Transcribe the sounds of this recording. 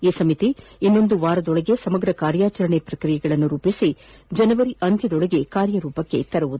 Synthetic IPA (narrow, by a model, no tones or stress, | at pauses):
iːsɐmit̪iinːo̞nd̪uʋaːɾɐd̪ɔɭɐɡe̞sɐmɐɡɾɐkaːɾjaːt͡ʃɐɾɐɳepɾɐkɾijɛɡɐɭɐnːuɾuːpisi | d͡ʒɐnɐʋɐɾiʔɐnd̪ʱjɐd̪ɔɭɐɡe̞kaːɾjɐɾuːpɐkːe̞̰t̪ɐɾɐʋud̪u